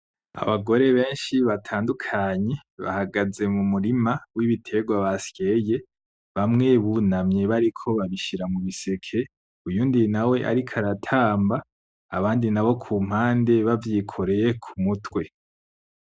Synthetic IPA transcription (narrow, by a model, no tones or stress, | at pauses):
a̰βaɡo̞ɾe̞βe̞ːnʃiβatʰaːndukʰaɲe̞βa̰haɡaze̞mumuɾimawiβitʰe̞ɡwaβasje̞je̞ | βamŋe̞βunamɲe̞βaɾikʰo̞βaβiʃiɾamuβise̞kʰe̞ | ujuːndinawe̞ʔa̰ɾikʰaɾatʰaːmba̰ː | βaːndinaβo̞kʰuːm̥haːnde̞βavjikʰo̞ɾe̞jekʰumutwe̞